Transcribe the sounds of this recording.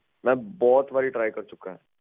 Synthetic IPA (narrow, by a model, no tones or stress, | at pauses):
mɛ̃bɔːt̪ʋaːɾiʈɾaːjkɐɾt͡ʃʊkaɦɛ̃ː